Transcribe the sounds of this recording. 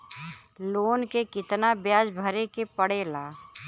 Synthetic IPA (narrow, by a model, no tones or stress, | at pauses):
loːnkekɪt̪nabjaːd͡ʒbʱəɾekepəɽeːlaː